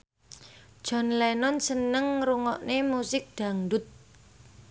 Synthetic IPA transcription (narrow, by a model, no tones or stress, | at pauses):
d̥ʒ̥ɔ̤nlɛnɔnsənəŋɾuŋɔʔnemusɪk̚d̥ä̤ŋɖʊt̪̚